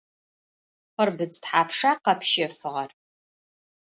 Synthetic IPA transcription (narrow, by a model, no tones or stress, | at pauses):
χʷɐrbɨd͡ztħaːpʰʂaːqɐpʰʃɪfɨʁɐr